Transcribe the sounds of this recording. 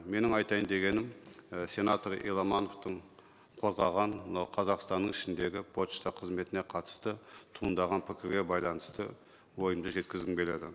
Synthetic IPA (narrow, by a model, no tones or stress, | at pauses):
me̞nɪŋɑjt̪ɑjənd̪e̞ɡʲe̞nɪmsʲe̞nɑt̪oɾḭlˠɑmɑno̞ft̪əɴ | qʰo̞zʁɑʁɑɴqʰɑzɑqst̪ɑnːəŋɪʃɪnd̪e̞ɡʲɪpʰot̪ʃt̪ɑqʰəzme̞t̪ɪne̞qʰɑt̪ə̥st̪ət̪ʰuənd̪ɑʁɑnpʰɪkʲɪɾɡʲe̞bɑjlˠɑnəst̪ə̰ | wo̞jəmd̪əʒe̞t̪kʲɪzɡʲɪŋbʲe̞le̞̰d̪ɪ̰